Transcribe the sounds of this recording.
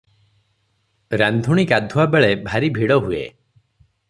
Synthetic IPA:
ɾand̪ʱuɽ̃ikad̪ʱuabeɭebʱaɾibʱiɽɔɦuḛ

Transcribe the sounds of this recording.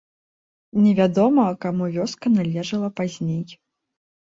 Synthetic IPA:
nʲɛvʲad̪ɔmɐkamuvʲɔskɐnalʲɛʐɐlˠɐpazʲnʲej

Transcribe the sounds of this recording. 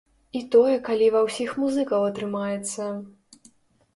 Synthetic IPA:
it̪ɔjɛkalʲivɐwsʲixmuzɨkɐwɐt̪ɾɨmajɛt̪sːɐ

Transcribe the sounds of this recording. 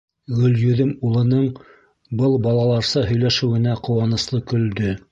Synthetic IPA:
ɡɵ̆ljɵ̆ðɘmulˠɤ̆nɤɴ | bɤlˠbɑlˠɑlˠɑɾsɑɦɵ̆jlæʃɘ̆wɘ̆næqŏwɑnɤ̆slˠɤkɵ̆ld̪ɵ

